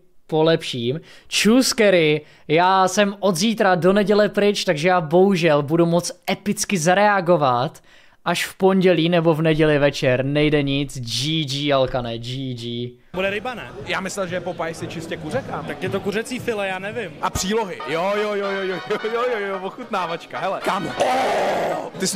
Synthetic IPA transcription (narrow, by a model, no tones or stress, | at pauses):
po̞lɛpʃiːmt͡ʃuskɛɾɪ | jaːsɛmʔo̞d̪ziːt̪ɾado̞nɛɟɛlɛpɾɪt͡ʃt̪aɡʒɛjaːbo̞ɦuʒɛlbudumo̞t͡sʔɛpɪt͡skɪzaɾɛaɡo̞vat̪ | ʔaʃfpo̞ɲɟɛliːnɛbo̞vnɛɟɛlɪvɛt͡ʃɛɾnɛjdɛɲɪt͡sd͡ʒid͡ʒialkanɛd͡ʒid͡ʒiː | budɛɾɛjbanɛː | jaːmɪslɛlʒɛɛpopajɪsɪt͡ʃɪscɛkurɛkaːmt̪akjɛt̪okurɛt͡siːfɪlɛjaːnɛvɪmʔapr̝̥iːloɦɪjojojojojojojojojojovoxut̪naːvat͡ʃkaɦɛlɛkaːmɛo | t̪ɪs